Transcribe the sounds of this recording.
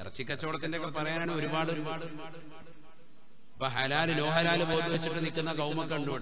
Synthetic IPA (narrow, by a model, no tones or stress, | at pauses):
ɐ̰rɐt͡ɕːikʲːɐt͡ɕːoːɽɐt̪ːindekːepɐrɐjaːnaːɳɨo̞ɾubaːɽu | pːoːɦɐlaːlɨno̞ːɦɐlaːlɨboːt̪ːuʋet͡ɕːiʈːɨnikʲːunːɐkɐwmɐkːɐɳɖuɽ